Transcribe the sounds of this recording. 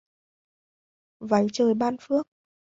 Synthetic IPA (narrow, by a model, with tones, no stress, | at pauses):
va˨˦jt͡ɕəː˨˩jɓaː˧nfɨ˦˥ək̚